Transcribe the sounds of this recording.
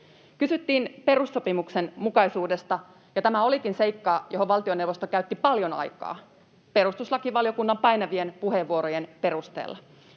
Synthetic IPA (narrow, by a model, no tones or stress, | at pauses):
kysyt̪ːiːnpe̞ɾusːopimuksenmukɑisuːde̞st̪ɑ | jɑt̪æmæo̞likinse̞ikːɑːjoɦoʋʋɑlt̪ionewʋost̪okæyt̪ːipɑljonɑ̰jkɑ̰ː | pe̞ɾust̪uslɑkiʋɑlijokunːɑmpɑjnɑʋienpuheʋːuoɾojenpe̞rust̪ḛːlːɑ